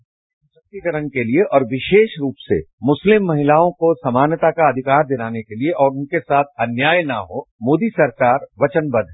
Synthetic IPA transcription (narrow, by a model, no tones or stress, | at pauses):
ssɐk̚t̪ikɐɾənkelieʔɔːɾʋɪʃeːʃɾuːpsḛmʊslɪmːɐɦɪlaːõkosɐmaːnət̪akaɐd̪ʱɪkaːɾd̪ɪnaːnekelieʔɔːɾʊnkesaːt̪ʰɐnjaːjna̰ɦoːmoːd̪isɐɾkaːɾʋɐt͡ʃənbɐd̪ʱɦɛ